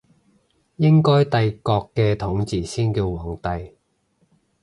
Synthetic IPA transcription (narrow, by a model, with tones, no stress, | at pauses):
jɪ˥ŋkɔː˥jt̪ɐ˧jkɔː˧kːɛː˧t̪ʰʊ˨˥ŋt͡siː˨˩siː˥nkiː˧wwɔː˨˩ŋt̪ɐ˨j